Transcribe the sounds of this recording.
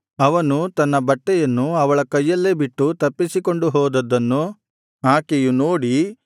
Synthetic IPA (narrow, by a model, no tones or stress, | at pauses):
ɐʋɐnut̪ɐnːɐbɐʈːɛjɐnːuɐʋɐɭɐkɐjːɐlːeːbiʈːut̪ɐpːisiko̞ɳɖuɦɔːd̪ɐd̪ːɐnːu | ɦaːkejunoːɽi